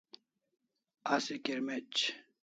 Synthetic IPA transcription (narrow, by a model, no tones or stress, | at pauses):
asikeɾmet͡ɕ